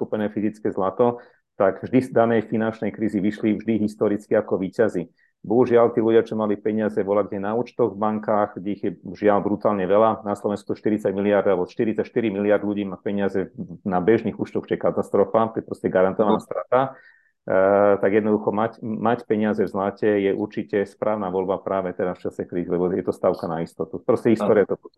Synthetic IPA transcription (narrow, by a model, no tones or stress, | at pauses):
kupɛnɛːfizit͡skɛzlat̪ɔ | t̪aɡvʒd̪id̪anɛjfinant͡ʃnɛjkɾiːziʋiʃlivʒd̪iɦist̪ɔɾit͡skiakɔʋiːcazi | bɔɦuʒɪalt̪iːluɟɪat͡ʃɔmalipɛɲɪazɛʋɔlaɡ̚ɟɛjɛnauːt͡ʃt̪ɔɣvbaŋkaːxɡɟɛiɣjɛʒɪalbɾut̪aːlɲɛʋɛlanaslɔʋɛnskuʃt̪iɾit͡saɟmilɪaɾd̪alɛbɔʃt̪iɾit͡saʃt̪iɾimilɪaɾd̪lʎuɟiːmapɛɲɪazɛnabɛʒniːɣuːt͡ʃt̪ɔxt͡ʃɛɛkat̪ast̪ɾɔfat̪ɔjɛpɾɔscɛɡaɾant̪ɔʋanast̪ɾat̪a | t̪aɡjɛd̪nɔd̪uxɔmacmacpɛɲɪazɛvzlacɛjɛʔṵɾt͡ʃicɛspɾʔaːʊnaʋɔlbapɾaːʋɛt̪ɛdasft͡ʃasɛkɾiːzilɛbɔjɛt̪ɔst̪aʊkanaist̪ɔt̪upɾɔscɛɦist̪ɔɾiat̪ɔ